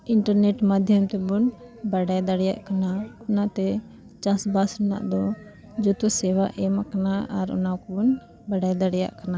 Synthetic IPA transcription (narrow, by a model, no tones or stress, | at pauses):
iɳʈəɾneʈmad̪ʱjəmt̪ɛbun | baɽajd̪əɽɛja̰ʔkanaɔnat̪ɛ | t͡ʃasbasnda̰ʔd̪ɔ | d͡ʒut̪sɛwaʔɛmakanaaɾɔ̰nakɛbun | baɖajd̪aɽɛja̰ʔkana